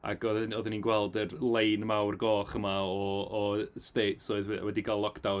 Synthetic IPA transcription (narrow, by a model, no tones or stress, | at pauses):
a̰ɡɔðɔðəninɡwɛlˠdərlˠejnmawrɡɔːχəmaɔː | steːtsɔɨðwwɛdiɡalːˠɔkʰd̥aw